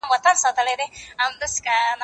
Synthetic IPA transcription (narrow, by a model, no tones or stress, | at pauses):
mwat̪ansɑt̪əled̪eamd̪əskan